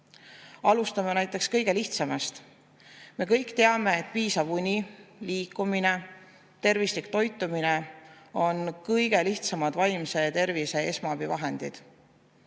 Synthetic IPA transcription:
ɑlust̪ɑmenæjt̪ˑːe̞kskɤjɡ̥e̞liht̪sɑmest̪ | me̞kɤjkt̪e̞ɑme̞et̪̚ːpiːsɑvunʲiliːkːˑumine̞ | t̪e̞rvislikt̪o̞jt̪ːˑumine̞o̞nkɤjɡ̥e̞liht̪sɑmɑd̪̥vɑjmse̞t̪e̞rvise̞e̞smɑɑbivɑɦe̞nd̪̥id̪̥

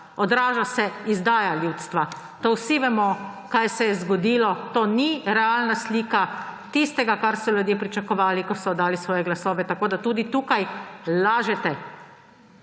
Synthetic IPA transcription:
ɔd̪ɾaːʒasɛizd̪aːjaljut̪st̪ʋa | t̪owsiʋɛmɔ | kajsɛjɛzɡɔd̪iːlɔt̪oːniɾɛaːlnasliːkat̪ist̪ɛɡakaɾsɔlʲjud̪jepɾit͡ʃakɔʋaːlikɔsɔd̪aːlisʋɔːjɛɡlasɔːʋɛt̪akoːd̪at̪uːd̪it̪uːkajlaːʒɛt̪ɛ

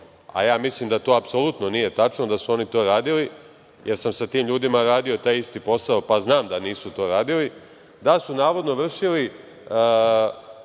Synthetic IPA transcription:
a̰jaːmislˠimd̪at̪o̞ːapsolˠut̪no̞nije̞t̪at͡ʃno̞d̪asuo̞nit̪o̞ːɾaːd̪ili | jʔeɾsamsat̪iːmʎuːd̪imaɾaːd̪io̞t̪ajist̪ipo̞saopaznaːmd̪aniːsut̪o̞ːɾaːd̪ili | d̪asunaːʋo̞d̪no̞ʋr̩ʃili

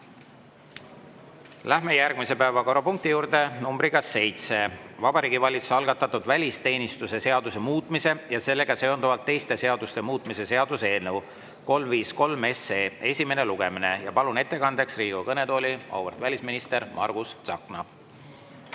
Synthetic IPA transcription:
læhme̞jærɡ̥mise̞pæevɑko̞ɾɑpuŋk̚t̪ijuːɾd̪̥e̞numbɾikɑsːe̞jt̪se̞vɑbɑɾiːɡivɑlʲit̪su̥sɑlɡ̥ɑt̪ːˑɑt̪ːˑud̪̥vælʲist̪e̞ːnist̪use̞se̞ɑd̪̥use̞muːt̪ˑmise̞jɑse̞lːe̞ɡ̥ɑse̞ond̪uvɑlt̪ːe̞jst̪e̞se̞ɑd̪̥ust̪e̞muːt̪ːˑmise̞se̞ɑd̪̥use̞ːlnew | ko̞lmviːsko̞lme̞seːe̞sʲime̞ne̞luɡ̥e̞mine̞jɑpɑlune̞t̪ːe̞kɑnd̪̥e̞ksriːɡ̥ukɤne̞t̪o̞ːlʲiɑ̰wvert̪vælʲisminist̪e̞ɾmʔɑ̰rɡ̥ust̪sɑ̰kˑnɑ

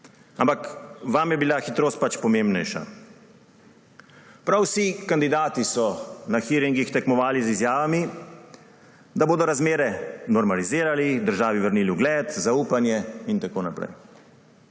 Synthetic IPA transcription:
ampakʋamjɛbilaxit̪ɾoːst̪̚pat͡ʃpɔmembnɛjʃa̰ | pɾawsikand̪id̪aːt̪isɔnaxiɾiŋɡixt̪ɛkmɔʋaːlizizjaːʋami | d̪aboːd̪ɔɾazmeːɾɛnɔɾmaliziːɾalid̪əɾʒaːʋiʋəɾniːliuɡlɛːt̪zauːpanjɛint̪akoːnapɾɛ̰j

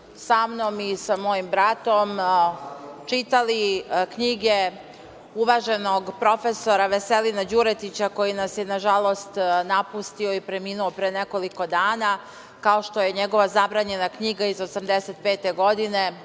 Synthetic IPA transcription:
samnomisamo̞jimbɾat̪o̞m | t͡ʂit̪alikɲiɡe | uʋaʒe̞noɡpɾo̞feso̞ɾaʋeselinad͡ʑuɾet̪it͡ɕako̞jinasjenaʒalˠo̞st̪napust̪ioipɾemiːnuopɾeneko̞liko̞d̪aːna | kao̞ʃt̪o̞jeɲeɡo̞ʋazabɾaːɲe̞nakɲiɡaizosamd̪eset̪̚peːt̪e̞ɡo̞d̪ine

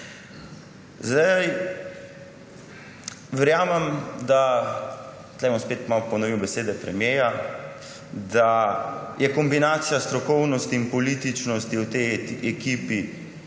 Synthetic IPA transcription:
zd̪aj | ʋɛɾjaːmɛmd̪a | t̪lɛjbɔmspeːt̪mawpɔnɔʋiwbɛseːd̪ɛpɾɛmjeːja | d̪ajʔɛkɔmbinaːt̪sijast̪ɾɔkɔwnɔst̪iːnpɔliːt̪it͡ʃnɔst̪iwt̪ɛjɛkiːpi

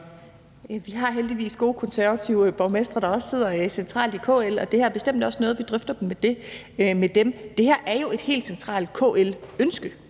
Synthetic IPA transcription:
jæʋiɦɑ̈ɦeld̥iʋḭːsɡ̥o̝ːkʰɒ̽nsæɐʋæt͡sʰiʊb̥ɒʊmesd̥ʁɐɾ̥ɑ̈ɒ̽sse̝ð̞̰ˠɐsent͡sʰʁɑ̰̈ːld̥ikʰɔ̰ːelɒ̽d̥e̝hæɐɐb̥e̝sd̥em̰d̥ɒ̽snɔːð̞̩ˠʋid̥ʁœfd̥ɐd̥em̩med̥e̝ | med̥emd̥e̝hæɐʔæɐjo̝e̝d̥he̝̰ːld̥sent͡sʰʁɑ̰̈ːld̥kʰɔ̰ːelønsɡ̥ə

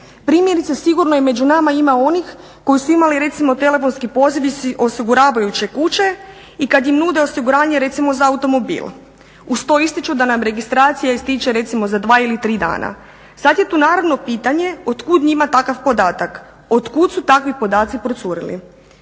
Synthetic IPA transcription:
pɾiːmje̞ɾit̪sesiɡuɾnojeme̞d͡ʒunamaimao̞nix | ko̞jisuimaliɾe̞t̪simo̞t̪e̞le̞fo̞nskipo̞ziʋio̞siɡuɾaːʋajut͡ɕe̞kut͡ɕe̞ | ikad̪jimnuːd̪e̞o̞siɡuɾaːɲeɾe̞t̪simo̞zaːut̪o̞mo̞bḭːlˠ | ust̪o̞ist̪it͡ʃud̪anamɾe̞ɡist̪ɾaːt̪sijaist̪it͡ʃeɾe̞t̪simo̞zad̪ʋaːilit̪ɾiːd̪a̰ːna̰ | sad̪je̞t̪uːnaːɾaʋno̞piːt̪aɲe̞o̞t̪kud̪ɲimat̪akaʋpo̞d̪aːt̪ak | o̞d̪kud̪sut̪akʋipo̞d̪aːt̪sipɾot̪suɾḭlḭ

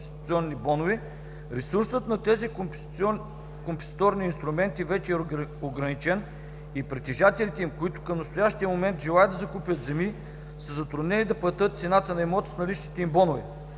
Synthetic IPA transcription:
st̪t̪siɔnːibɔnʊvɛ | ɾɛsuɾsət̪nɐt̪ɛzi | kompɛ̥st̪ɔɾniːnst̪ɾʊmɛnt̪ivɛt͡ʃɛɛoɡɾɐnit͡ʃɛn | ipɾɛt̪ɛʒat̪ɛlit̪ɛimkʊit̪ʊ̥kɐmnɐst̪ʊjaʃt̪iəmomɛnt̪ʒɛlˠajəd̪ɐzɐkupjət̪zɛmi | səzɐt̪ɾʊd̪nɛnid̪ɐplˠɐt̪ɤt̪̚t̪sɛnat̪ənɐɛmɔt̪snɐliʃt̪i̥t̪ɛimbɔnʊvɛ

